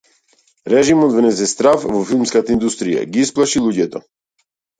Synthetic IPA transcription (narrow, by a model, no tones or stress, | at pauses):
ɾɛʒimɔd̪vnɛzɛst̪ɾafvɔfilˠmskat̪aind̪ust̪ɾija̰ɡiisplˠaʃilˠuɟɛt̪ɔ